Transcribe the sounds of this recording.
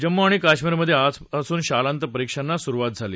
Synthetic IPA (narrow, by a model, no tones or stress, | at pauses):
d͡ʑəmːoaɽ̃ikaɕmiːɾməd̪ʱːjead͡zəsuːnɕalant̪əpəɾikʂanːasuɾuʋat̪̚d͡zʱalḭː